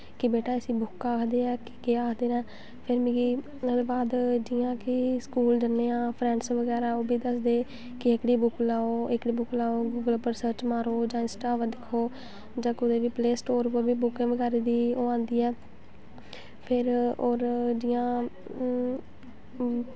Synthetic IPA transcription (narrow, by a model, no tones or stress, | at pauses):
kɪbeːʈaːəsĩːbʊkːaːkʰd̪eːɛːkɪ̥keːaːkʰd̪eːɾɛ̃ː | pʰɪɾmiːɡiː | baːd̪d͡ʒɪãːkɪskuːld͡ʒənːeːãːpʰɾɛ̃ːɳɖsʋəɡɛːɾaːoːbiːd̪əsd̪eː | kɪəkɽiːbʊklaːoːɪkɽiːbʊklaːoːɡuːɡəlpəɾsəɾt͡ʃmaːɾoːd͡ʒãːɪnsʈaːʋəd̪ɪkʰːoː | d͡ʒãːkʊd̪eːʋiːpleːsʈoːɾpəbiːbʊkẽːʋəɡɛːɾeːd̪iːoːãːnd̪iːɛː | pʰɪɾoːɾd͡ʒɪjãː